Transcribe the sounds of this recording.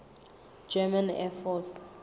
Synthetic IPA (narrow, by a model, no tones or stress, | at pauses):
d͡ʒɛmãnɛfɔs